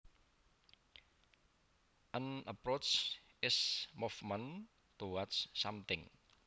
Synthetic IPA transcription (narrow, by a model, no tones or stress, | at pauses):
ʔənəpɾot͡ʃɪsmufmən | t̪uwat͡ʃːamt̪ɪŋ